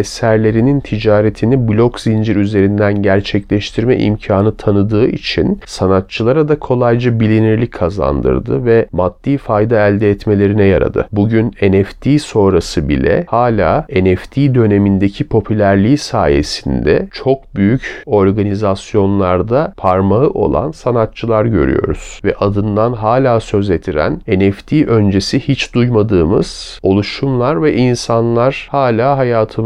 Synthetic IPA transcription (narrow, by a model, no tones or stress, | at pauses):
esæɾlʲe̞ɾinint̪ʰid͡ʒaːɾet̪ʰiniblʲo̞kzind͡ʒiɾyze̞ɾind̪ænɟæɾt͡ʃʰɛclʲɛʃt̪ʰiɾmɛ̰ʔḭmcʰaːnɯt̪ʰanɯd̪ɯːḭt͡ʃʰḭnsanat̪̚t͡ʃʰɯlˠaɾad̪akʰo̞lˠajd͡ʒɯbilʲiniɾlʲickʰːaza̰nd̪ɯ̰ɾd̪ɯvɛmad̪̥ːiːfajd̪aælʲd̪ɛɛt̪me̞lʲe̞ɾinɛja̰ɾa̰d̪ɯ̰buɟynenɛft̪ʰiːso̞ɾasɯbḭlʲɛ̰haːlʲaːenɛft̪ʰiːd̪ø̞ne̞mind̪ecʰipʰo̞pʰylʲæɾlʲiːsa̰ːje̞̰sind̪ɛ̰t͡ʃʰo̞k̚byjyco̞ɾɡanizasjo̞nlˠaɾd̪apʰaɾmaɯʔo̞̰lˠa̰nsanat̪̚t͡ʃʰɯlˠaɾɟø̞̰ɾy̰jo̞̰ɾuz̥vɛʔad̪ɯnd̪anɦaːlʲaːsø̞zet̪ʰiɾæ̰nenɛft̪ʰiːʔø̞nd͡ʒe̞sihit͡ʃd̪ujmad̪ɯːmɯ̰z̥ | o̞lˠuʃumlˠaɾvɛʔinsanlˠaɾ̥haːlʲaːɦajaːt̪ʰɯm